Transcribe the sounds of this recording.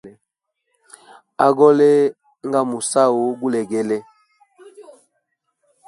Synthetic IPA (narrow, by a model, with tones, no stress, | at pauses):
a˦ɡɔ˦le˦ | ŋ˦ɡa˦mu˨sa˦o˨ɡu˦lɛ˨ɡɛ˦lɛ˦